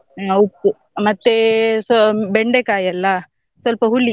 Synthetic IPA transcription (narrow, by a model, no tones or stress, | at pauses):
upːu | mɐt̪ːesbeɳɖekaːjɐlːɐ | sʋɐlpɐɦuɭːi